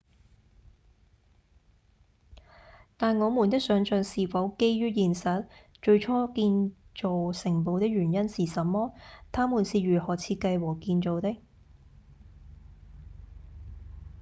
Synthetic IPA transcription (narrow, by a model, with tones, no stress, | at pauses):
t̪aː˨nŋɔː˨˧muː˨˩nt̪ɪ˥k̚sœː˨˥ŋt͡ʃœː˨ŋsiː˨fɐ˨˥wke˥jɥyː˥jiː˨nsɐ˨˥t̚ | t͡ʃɵ˧ɥt͡ʃʰɔː˥kiː˧nt͡ʃo˨wsɪ˨˩ŋpo˨wt̪ɪ˥k̚jyː˨˩njɐ˥nsiː˨sɐ˨mːɔː˥t̪ʰaː˥muː˨˩nsiː˨ɥyː˨˩hɔː˨˩t͡sʰiː˧t̚kɐ˧jwɔː˨˩kiː˧nt͡so˨wt̪ɪ˥k̚